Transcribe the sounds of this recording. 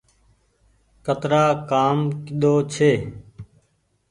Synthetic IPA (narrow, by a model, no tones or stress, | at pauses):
kət̪ɾaːkaːmkɪɗ̪oːt͡ʃʰeː